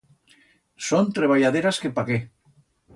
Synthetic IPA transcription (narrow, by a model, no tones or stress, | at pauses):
sont̪ɾeβ̞aʎað̞eɾaskepaɣe